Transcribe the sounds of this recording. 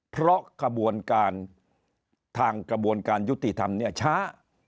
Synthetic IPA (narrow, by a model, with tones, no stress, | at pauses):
pʰɾɔ˦˥ka˧bu˧ənkaː˧n | t̪ʰaː˧ŋkɾa˧bu˧ənkaː˧nju˦˥t̪ːi˨˩t̪ʰa˧mni˥ɐt͡ɕʰaː˦˥